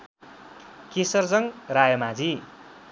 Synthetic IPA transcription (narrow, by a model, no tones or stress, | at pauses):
kesʌrd͡zʌŋrajʌmad͡zi